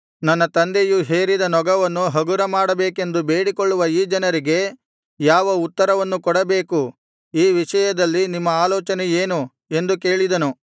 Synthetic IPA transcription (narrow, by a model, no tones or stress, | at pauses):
nɐnːɐt̪ɐnd̪ejuɦe̞ːɾid̪ɐnɔɡɐʋɐnːuɦɐɡuɾɐmaːɽɐbeːke̞nd̪ube̞ːɽikoɭːuʋɐiːd͡ʒɐnɐɾiɡe̞ | jaːʋɐut̪ːɐɾɐʋɐnːukɔɽɐbe̞ːku | iːʋiʂɐjɐd̪ɐlːinimːɐaːlɔːt͡ʃɐneje̞ːnu | e̞nd̪uke̞ːɭid̪ɐnu